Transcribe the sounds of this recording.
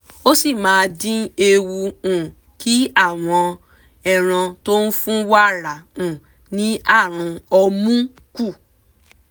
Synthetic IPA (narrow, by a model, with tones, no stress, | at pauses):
o˦si˦˨mãː˨˦˧dĩ˦e˧wu˧ũ˨ | kʰi˦a˦˨w̃ɔ̃˧ | ɛ˦˨ɾ̃ã˧to˦n̩˦fũ˦wa˦ɾa˨ũ˨ | nĩ˨˦a˦˨ɾ̃ũ˧ɔ˧mũ˦ | ku˦˨